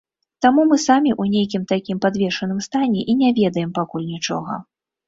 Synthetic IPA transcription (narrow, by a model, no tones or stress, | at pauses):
t̪amumɨsamʲiʔunʲejkʲimt̪akʲimpad̪vʲɛʂɐnɨmst̪anʲɛʔinʲɛvʲɛd̪ɐjɛmpakulʲnʲit͡ʂɔ̰ɣɐ̰